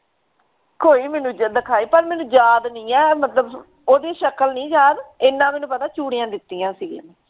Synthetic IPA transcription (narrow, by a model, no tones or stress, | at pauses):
koːiːmɛːnũːd͡ʒd̪əkʰaːiːpəɾmɛːnũːd͡ʒaːd̪nĩːɛːmət̪ləb | oːd̪eːʃəkəlnĩːd͡ʒaːd̪ɪnːãːmɛːnũːpət̪aːt͡ʃuːɽɪjãːd̪ɪt̪ːiːãːsiːɡ